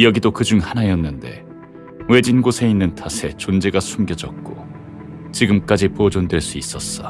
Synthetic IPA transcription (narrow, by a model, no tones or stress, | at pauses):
jʌɡidokɯd͡ʑuŋhanajʌnːɯnde̞̰ | we̞d͡ʑinɡosʰe̞inːɯntʰasʰe̞t͡ɕond͡ʑe̞ɡasʰumɡjʌd͡ʑʌk̚k͈o | t͡ɕiɡɯmk͈ad͡ʑipod͡ʑondwe̞ɭs͈uis͈ʌs͈ʌ